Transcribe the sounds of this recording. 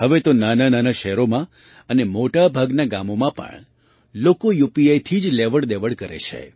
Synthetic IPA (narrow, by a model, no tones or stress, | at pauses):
ɦəʋet̪onanananaʃɛɦɾomã | ənemoʈabʱaɡnaɡa̰momãpə̰ɳ | lokojupiajt̪ʰid͡ʒleʋəɽd̪eʋəɽkəɾḛt͡ʃʰḛ